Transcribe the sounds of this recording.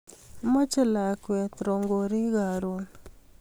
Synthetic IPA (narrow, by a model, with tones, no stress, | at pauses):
mɔ˦t͡ʃɪ˦la˨kwɛ˨t̪ɾo˨ŋɡo˨ɾi˦ɣa˨ɾo˨n